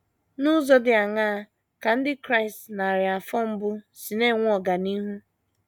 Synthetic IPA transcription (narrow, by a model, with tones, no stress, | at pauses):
nʊ˦zɔ˦dɪ˨a˨ŋaː˦ | ka˨n̩˦dɪ˦kɾa˦ɪ˨stna˨ɾɪ˨a˨fɔ˦m̩˦bʊ˦ | si˨ne˦˨ŋʷ˦ɔ˨ɡa˨ni˦ɦu˦